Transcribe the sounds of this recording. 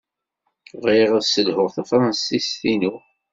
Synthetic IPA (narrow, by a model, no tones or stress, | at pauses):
ʁiʁəðsəlhʊʁθafɾˤɑnsisθinu